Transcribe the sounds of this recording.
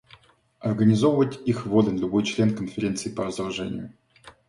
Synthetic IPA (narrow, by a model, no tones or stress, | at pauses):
ɐrɡənʲɪzovəvətʲixvod̪ənʲlʲʊbojt͡ɕlʲe̞nkənfʲɪɾʲe̞nt̪sɨɪpərəzd̪ɐlˠʐɛ̰nʲɪ̰jʊ